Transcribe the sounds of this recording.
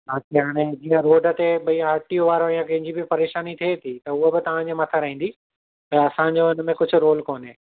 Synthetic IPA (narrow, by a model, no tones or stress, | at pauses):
at͡ɕʰeɦaːɽ̃ed͡ʑiːə̃ɾoːɖə̆t̪eɓɐiaːɾʈioʋaːɾõjãkɐ̃ɦɪ̃ɲd͡ʑibipɐɾeːʃaːnit̪ʰiet̪ʰit̪ɐʊɦobɪt̪ɐʋ̤ãɲd͡ʑemɐt̪ʰaɾɐɦĩːnd̪i | t̪ɐɐsãɲd͡ʑoʊnə̆mẽkʊd͡ʑʱʊ̆ɾoːlkoːneː